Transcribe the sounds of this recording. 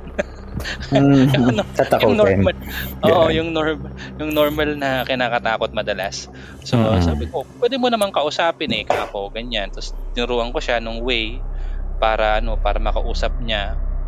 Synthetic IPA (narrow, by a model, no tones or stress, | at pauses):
ɐnoaɐkonomɐlʔoːʔʔjʊŋnoɹmjʊŋnoɹmɐlnɐkɪnaːkɐt̪aːkot̪̚mɐd̪ɐlas | sosaːbɪko̞pwɛd̪ɪmonɐmaŋkɐʔʊsaːpɪnɛkaːko̞ɡɐɲant̪ost̪ɪnʊɾuːʔɐŋkoʃanʊŋwɛjpaːɾɐʔɐno̞paːɾɐmɐkɐʔuːsɐp̚ɲa